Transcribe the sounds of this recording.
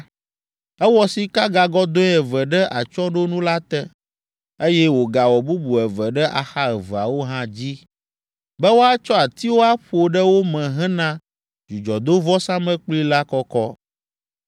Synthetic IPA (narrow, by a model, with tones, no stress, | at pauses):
ɛ˦wɔ˦si˨ka˦ɡa˨ɡɔ˦d̪õ˦ɛ˨vɛ˨ɖɛ˦ʔa˨t͡ʃɔ˦ɖo˦nũ˦la˦t̪ɛ˦ | e˦jɛ˦wo˨ɡa˨wɔ˨bu˦bu˨ɛ˨vɛ˨ɖɛ˦ʔa̰˨xa˦ɛ˨və˨a̰˨wo˦ɦã˦d͡ʑi˦ | bɛ˦wo˦a˦t͡ʃɔ˦a˨t̪i˦wo˦a˦ɸo˨ɖɛ˦wo˦mɛ̃˨ɦɛ̃˦nã˦ | d͡ʒu˨d͡ʒɔ˨d̪o˦vɔ˦sã˦mɛ̃˦k͡pli˦la˦kɔ˦kɔ˦